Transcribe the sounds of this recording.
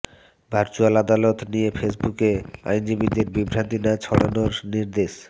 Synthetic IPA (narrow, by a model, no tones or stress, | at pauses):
bʱaɾt͡ɕualad̪alot̪nijefesbukea̰jnd͡ʑibid̪eɾbibʱɾant̪inat͡ɕʰɔɽa̰noɾniɾd̪eʃ